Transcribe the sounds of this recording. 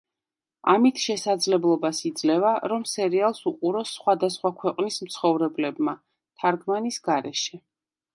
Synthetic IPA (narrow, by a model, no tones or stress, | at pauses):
a̰mit̪ʰʃɛsad̪zlɛblˠɔbasid̪zlɛvaɾɔmsɛɾialˠsuqʼuɾɔsːχwad̪asχwakʰwɛqʼnismt̪sʰχɔvɾɛblɛbma | t̪ʰaɾɡmanisɡaɾɛʃɛ